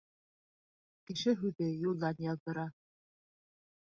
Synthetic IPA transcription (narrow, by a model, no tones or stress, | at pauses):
kɘ̆ʃɘɦʉðɘjulˠːɑnjɑðdɤ̆ɾɑ